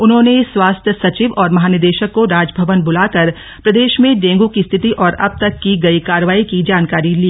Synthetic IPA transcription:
ʊnɦõːneswaːst̪ʰjəsɐt͡ʃiːʋɔːɾmɐɦaːnɪɾd̪eːʃəkːoɾaːd͡ʒbʱɐʋənbʊlaːkɐɾ | pɾɐd̪eːʃmẽɖẽːŋɡukist̪ʰɪt̪iʔɔːɾɐ̰b̚t̪ɐkːiɡɐikaːɾəʋaːikid͡ʒaːnkaːɾiliː

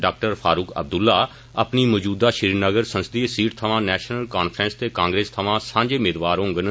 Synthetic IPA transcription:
ɖaːk̚ʈəɾpʰaːɾuːkə̰b̚d̪ʊlːaː | ə̰pniːmɔd͡ʒuːd̪aːʃəɾiːɾnəɡəɾsə̃nsd̪iːsiːʈt̪ʰəʋãːnɛːʃnəlkaːnpʰɾɛ̃nst̪eːkãːŋɡɾeːst̪ʰəʋãːsãːɲd͡ʒeːmɪɾʋaːɾõːɡən

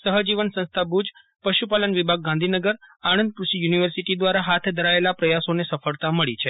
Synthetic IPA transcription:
səɦəd͡ʒiʋənsə̃nst̪ʰabud͡ʒ | pəʃupalənʋibʱaɡ̚ːãnd̪ʱinəɡəɾañənd̪̚pɾuʃijuniʋəɾsiʈid̪ʋaɾaɦat̪ʰd̪ʱəɾaelapɾəjasonesəfəɭt̪aməɭit͡ʃʰe

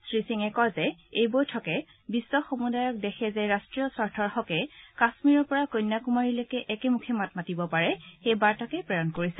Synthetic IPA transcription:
sɹisiŋɛkɔzɛejbojtʰɔkɛ | bisːɔxomudajɔk̚dɛxɛzɛɹastɹijɔsɔɹtʰɔɹxɔkɛkasmiɹɔɹpɔɹakojnːakumaɹilokɛʔɛkɛmukʰɛmatmatibɔpaɹɛxejbaɹtakɛpɹɛjɔnkoɹisɛ

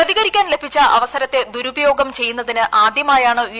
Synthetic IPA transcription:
ɐðiɣɐɾikʲːaːnle̞bʱit͡ɕːɐʔɐʋɐsɐɾɐt̪ːe̞d̪uɾubɐjo̞ːɡɐmt͡ɕe̞jːunːɐðinɨʔaːd̪ʱjɐmaːjaːɳɨʋi

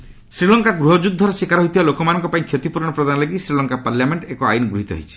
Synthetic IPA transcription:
sɾilɔŋkaɡɾuɦɔd͡ʒud̪ʱːɔɾɔsikaɾɔɦit̪ibalokɔmanɔ̃ŋkɔpãĩkʰjot̪ipuɾɔɳ̃ɔpɾɔd̪anɔleɡisɾilɔŋkapaɾljameɳʈekɔa̰jnɔɡɾuɦit̪ɔɦɔ̰jt͡ʃʰi̥

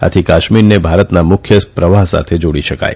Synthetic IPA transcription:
a̰t̪ʰikaʃmiɾnebʱaɾət̪namʊkʰjəspɾəʋaɦsa̰t̪ʰed͡ʒoɽiʃəka̰j

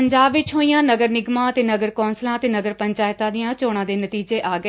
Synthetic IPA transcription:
əɲd͡ʒaːbʋɪt͡ʃɦoːijãːnəɡəɾnɪɡmãːət̪eːnəɡəɾkɔːnslãːət̪eːnəɡəɾpəɲt͡ʃaːɪt̪ãːd̪ijãːt͡ʃoːɽ̃ãːd̪eːnət̪iːd͡ʒeːʔaːɡəː

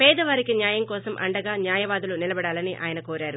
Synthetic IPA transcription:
pɛːd̪ɐʋaːɾikinjaːjɐŋkɔːsɐmʔɐ̰ɳɖɐɡaːnjaːjɐʋaːd̪ulunilɐbɐɽaːlɐniʔa̰ːjɐnɐkoːɾaːɾu

